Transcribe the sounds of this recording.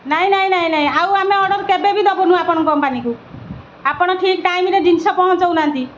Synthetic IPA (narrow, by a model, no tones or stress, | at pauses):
naĩnaĩnaĩnaɦĩawameɔɖɔɾkebebʱid̪ɔbɔnũapɔɽ̃kɔmpaniku | apɔɽ̃ɔʈʰikʈajmiɾeɖinsɔpɔɦɔ̃t͡ʃɔwnant̪i